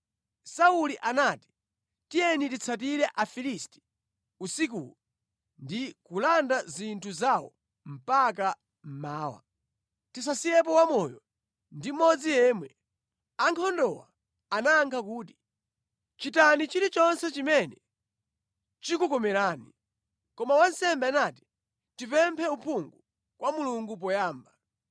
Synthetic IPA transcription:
sauliʔanaːti̥ | tijɛnitit͡sʰat̬iɾɛʔafilisti̥ | usik̬ṵlu | ndikulandazintʰuzawɔ̰ | m̩pak̬a | m̩maːwa̰ | tis̬asijɛp̬ɔwamɔjɔ | ndim̩mɔd͡zijɛːmwɛ | aŋkʰɔndɔwa̰ | anaːŋkʰak̬uːti̥ | t͡ʃitanit͡ʃiɾit͡ʃɔnsɛt͡ʃimɛnɛ | t͡ʃikukɔmɛɾaːni | kɔmawansɛmbɛanati̥ | tipɛmpʰɛupʰuŋɡu | kwʔamuluŋɡup̬ɔjaːmba

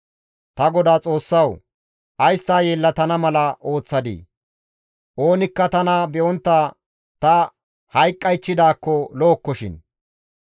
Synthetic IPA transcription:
t̪ɐɡɔd̪aːt͡sʼo̞ːsːɐw | ʔɐjst̪aːjeːlːɐt̪ɐnɐmɐlɐʔo̞ːt͡sːɐd̪ḭː | ʔo̞ːnɪkːɐt̪ɐnɐbɛʔɔnt̪ːaː | t̪ɐ | hɐjkʼːɐjt͡ʃːɪd̪aːkːɔlo̞ːkːɔʃɪ̰n

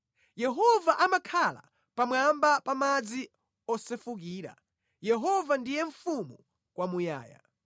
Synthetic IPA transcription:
jɛɦɔvaʔamakʰala̰ | pamwambapamad͡zi | ɔsɛfuk̬iːɾa̰ | jɛɦɔvandijɛɱfumu | kwamuja̰ːja̰

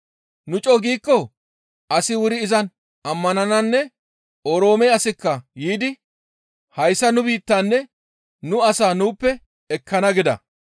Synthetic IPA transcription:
nʊt͡ʃʼɔɡiːkːɔ | ʔɐsɪwʊɾɪːzɐn | ɐmːɐnɐnɐnːɛ | oɾo̞ːmɛjɐsɪkːɐjiːd̪ɪ | hɐjsːɐnʊbiːt̪ːaːnːɛ | nʊɐsaːnuːpːɛ | ɛkʰːɐnɐɡɪd̪ɐ̰

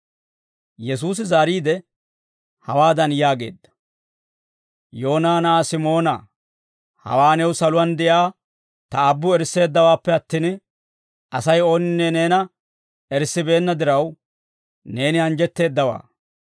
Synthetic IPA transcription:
jɛs̬uːs̬ɪzaːɾiːd̪ɛ | hɐwaːd̪ɐnjaːɡe̞̰ːd̪ːɐ̥ | jo̞ːnaːnaːsɪmo̞ːnɐ̰ | hɐ̰waːnɛwsɐlʊwɐnd̪ɛjaː | t̪ɐːbːʊɛɾse̞ːd̪ːɐwaːpːɛɐt̪ːiːn | ɐsɐjo̞ːnɪnːeːne̞ːnɐ | ɛɾsːɪbe̞ːnːɐd̪ɪɾɐw | ne̞ːnɪɐnd͡ʒɛt̪ːe̞ːd̪ːɐwa̰ː

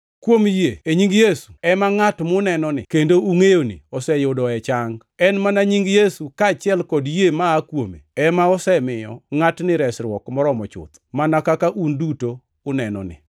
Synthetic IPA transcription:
kwomjeeɲiŋɡjesu̥ɛmaŋatmʊnɛnɔnɪ̰kendouŋejonḭɔsɛjʊdɔɛt͡ʃaŋ | ɛnmanaɲiŋɡjesukat͡ʃɪɛlkɔdjemaːkwomḛɛmaɔsɛmɪjɔ̰ŋatnɪɾɛsɾwɔkmɔɾɔmɔt͡ʃʊ̰t̪manakakaʔundutoː | nɛnɔ̰nɪ̰

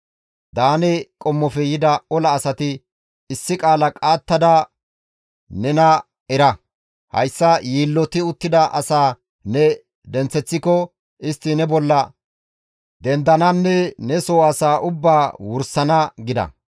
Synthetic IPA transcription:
d̪aːnɛkʼɔmːɔfɛjɪd̪ɐɔlɐːsɐt̪ɪ | ɪsːɪkʼaːlɐkʼaːt̪ːɐd̪ɐ | nɛnɐ | ɛɾɐ | hɐ̰jsːɐjiːlːɔt̪ɪʊt̪ːɪd̪ɐʔɐsaː | nɛ | d̪ɛnt͡sːɛt͡sːɪkɔ | ɪst̪ːɪnɛbɔlːɐ | d̪ɛnd̪ɐnɐnːɛnɛsɔːaːsaːʔʊbːaːwʊɾsɐnɐɡɪd̪ɐ̰

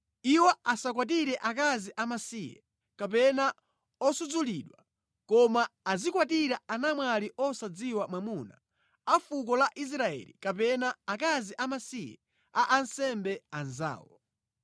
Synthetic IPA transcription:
iwɔasakwat̬iɾɛʔak̬aziʔamasijɛ̰ | kapɛna | ɔsud͡zuliɗwa | kɔmaːzikwat̬iɾaanamwaliʔɔsad͡ziwamwamuna̰ | afuk̬ɔlaʔis̬ɾaɛ̰lḭkap̬ɛnaak̬aziʔamasijɛ̰ | aʔansɛmbɛanza̰ːwɔ̰

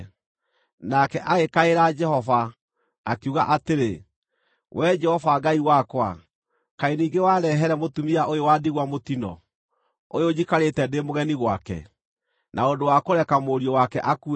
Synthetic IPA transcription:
nakɛʔaɣekaeɾad͡ʒɛhɔva | akiuɣaʔateɾe | wʔɛd͡ʒɛhɔvaɡaiwakwa̰ | kaeniːɡewaːɾɛɦɛɾɛmotumiaʔojowaːdiɣwamotinɔ̰ | ojod͡ʒikaɾetɛdemoɣɛniɣwakɛ̰ | nʔaodowakoɾɛkamoɾiɔwakɛʔaku

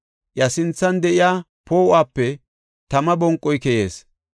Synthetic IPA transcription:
ʔjɐsɪnt͡sːɐnd̪ɛʔɪjaː | poːʔaːpːɛ | t̪ɐmɐbɔŋkʼːɔjkɛjeːs

